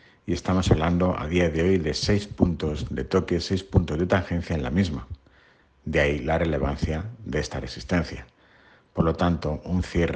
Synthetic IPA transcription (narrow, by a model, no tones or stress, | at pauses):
ie̞st̪amo̞saβland̪o̞ʔa̰ð̞iaðe̞o̞jðe̞se̞jspunt̪o̞zðe̞̰t̪o̞kesejspunt̪o̞zðe̞t̪aŋxe̞n̟θjaenlamizma | d̪eailare̞le̞β̞an̟θjaðee̞st̪are̞sist̪e̞n̟θja | po̞ɾlo̞t̪ant̪o̞ʔunθje̞r